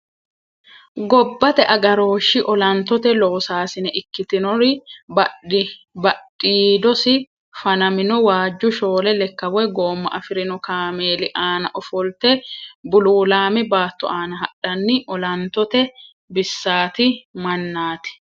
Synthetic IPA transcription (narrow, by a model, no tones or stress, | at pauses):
ɡɔbːɐt̪ɛʔɐɡɐɾo̞ːʃːɪʔɔlɐnt̪ːɔt̪ɛlo̞ːsaːsɪnɛʔɪkːɪt̪ɪnɔɾɪb | bɐɗiːd̪ɔsɪ | fɐnɐmɪnɔwaːd͡ʒːʊʃo̞ːlɛlɛkːɐwɔjɡo̞ːmːɐ̰ʔɐfɪɾɪnɔkaːmeːlɪʔaːnɐʔɔfɔlt̪ɛbʊluːlaːmɛbaːt̪ːɔ̰aːnɐɦɐɗɐnːɪʔɔlɐnt̪ɔt̪ɛ | bɪsːaːt̪ɪmɐnːaːt̪ɪ̥